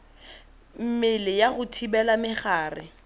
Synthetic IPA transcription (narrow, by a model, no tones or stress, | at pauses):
m̩mɪlɪjaɣʊtʰibɛlamɪχaːrɪ̰